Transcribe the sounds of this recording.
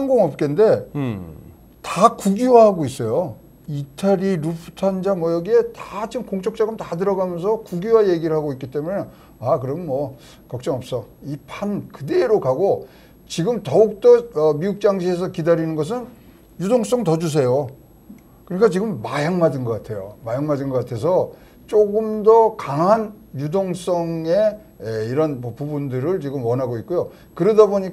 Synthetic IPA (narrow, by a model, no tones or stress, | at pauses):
haŋɡoŋʌp̚k͈ende̞ | takuɡiwahaɡois͈ʌjo | itʰaɾiɾupʰu̥tʰand͡ʑamwʌjʌɡie̞tat͡ɕiɡɯmkoŋt͡ɕ͈ʰʌk̚t͡ɕ͈ʌɡɯmtatɯɾʌɡamjʌnsʰʌkuɡiwaje̞ɡiɾɯɭɦaɡoik͈it͈e̞mune | akɯɾʌmnmʌ | kʌk̚t͡ɕ͈ʌŋʌp̚s͈ʌipʰankɯdeːɾokaɡo | t͡ɕiɡɯmtʌuk̚t͈ʌʌmiuk̚t͡ɕ͈aŋɕʰie̞s̬ʰʌkidaɾinɯnɡʌs̬ʰɯn | judoŋs͈ʌŋtʌd͡ʑus̬ʰe̞jo | kɯɲik͈at͡ɕiɡɯmːajaŋmadɯnɡʌk͈atʰe̞jo̰majaŋmadɯnɡʌk͈atʰe̞s̬ʰʌ | t͡ɕ͈oɡɯmdʌkaŋɦan | judoŋs͈ʌŋe | eiɾʌnmʌpubundɯɾɯɭt͡ɕiɡɯmwʌnɦaɡoit̚k͈ojo | kɯɾʌdaboɲika